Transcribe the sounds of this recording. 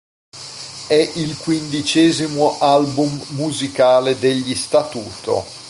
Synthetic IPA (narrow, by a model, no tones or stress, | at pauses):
ɛʔilkwind̪it͡ʃɛːzimoʔalbumːuzikaːled̪eʎːist̪at̪uːt̪ʰo̰